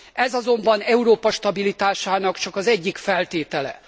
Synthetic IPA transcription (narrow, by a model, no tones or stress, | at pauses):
ɛzɒzo̞mbɒnɛuɾoːpɒʃt̪ɒbilit̪aːʃaːnɒkt͡ʃɒkɒzɛɟːikfɛlt̪eːt̪ɛlɛ̰